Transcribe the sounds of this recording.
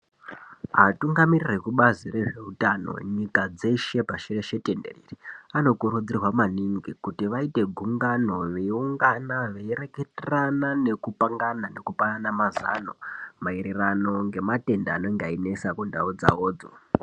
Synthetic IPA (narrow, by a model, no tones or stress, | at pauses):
ɦatuŋɡamirirekuɓaziɾe̞ʐe̞utano̰ɲikad͡ze̞ʃe̞paʃire̞ʃe̞te̞nde̞̰reːriano̞kuɾud͡zirwamaniŋɡikutiʋaite̞ɡʱuŋɡano̞ʋeuŋɡanaʋeire̞keteranane̞kupaŋɡanane̞kupananamaza̰no̞̰mairirano̞ŋɡe̞mate̞ndaano̞ŋɡeaine̞sakundaud͡za̰oːd͡zo̰